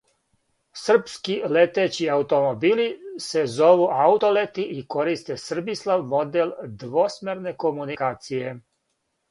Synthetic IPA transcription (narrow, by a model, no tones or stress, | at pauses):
sr̩pskilet̪et͡ɕiaut̪o̞mobiːlisezo̞ʋuʔaut̪olet̪iʔiko̞ɾist̪esr̩bislˠaʋmod̪eld̪ʋosmeɾne̞ko̞munikaːt̪sije̞